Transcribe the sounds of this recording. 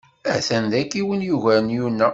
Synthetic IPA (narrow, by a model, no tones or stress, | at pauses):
æ̰θænd̪ækːiwənjuʝænjunːæ